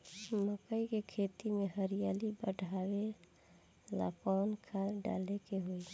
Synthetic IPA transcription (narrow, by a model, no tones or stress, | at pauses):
məkəikekʰet̪imeɦəɾijalibə̰ɖʱawe | la̰paːnkʰaɖa̰lekeɦoi